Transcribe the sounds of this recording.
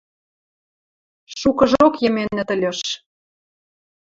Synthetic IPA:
ʃukɤ̆ʒokjə̆menə̆t̪ə̆lʲɤ̆ʃ

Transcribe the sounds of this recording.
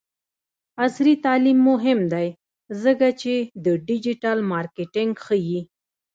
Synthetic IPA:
asɾit̪ɑlimːʊɦɪmd̪aj | zəkat͡ʃed̪əɖɪd͡ʒiʈalmɑɾkeʈɪŋɡxəji

